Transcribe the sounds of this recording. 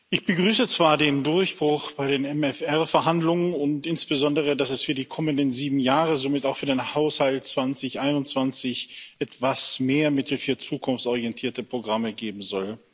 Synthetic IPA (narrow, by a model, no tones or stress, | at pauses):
ʔɪçb̥əɡʁyːsət͡sv̥aːɐdeːndʊɐçb̥ʁʊχb̥aɪɾeːnɛmɛfɛɐfɛɐɦandlʊŋənʊntʔɪnsb̥əzɔndəʁ̞ədasɛsfyːɐdiːkʰɔməndənziːbm̩jaːʁəzomɪtaʊxfyːɐdeːnhaʊshaltt͡sv̥ant͡sɪçʔaɪnʊntt͡sv̥ant͡sɪçʔɛtv̥asmeːɐmɪtl̩fyːɐt͡suːkʰʊnft͡sʔɔʁiɛntʰiːɐtəpʁ̥oɡʁaməɡeːbm̩zɔl